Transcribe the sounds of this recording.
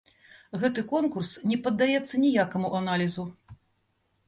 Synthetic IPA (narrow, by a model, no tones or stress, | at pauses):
ɣɛt̪ɨkɔnkursnʲɛpɐd̪ːajɛt̪sːɐnʲijakɐmuʔanalʲizu